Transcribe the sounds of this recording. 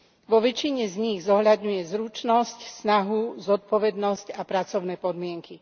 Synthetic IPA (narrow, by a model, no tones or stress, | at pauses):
ʋɔʋɛt͡ʃiɲɛzɲiɣzɔɦʎad̪ɲujɛzɾut͡ʃnɔscsnaɦuzɔt̪̚pɔʋɛd̪nɔscapɾat͡sɔʊnɛpɔd̪mɪɛŋki